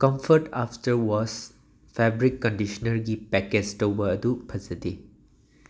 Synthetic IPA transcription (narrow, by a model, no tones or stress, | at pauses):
kɔ̃mfətaftəwɔs | fɛbɹikːɔ̃ndiʃɔnəɹɡipɛkɛtstowəədupʰəzəde